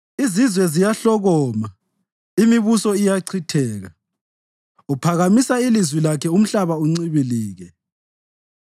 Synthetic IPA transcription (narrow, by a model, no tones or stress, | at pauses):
izizwɛzijaɬɔɣɔma | imiβusɔijaǀʰitʰɛːɣa̰ | upʰaɣamisailizwilakʰɛum̩ɬaβauŋ͡ǀiβiliːɣɛ